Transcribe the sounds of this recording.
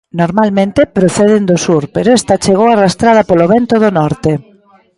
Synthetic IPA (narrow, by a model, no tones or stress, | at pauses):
noɾmalmẽnt̪ɪpɾoθɛðɪnd̪ʊsuɾpeɾoɛst̪ɐt͡ʃeɣowarast̪ɾað̞ɐpoloβɛnt̪oðʊnɔɾt̪e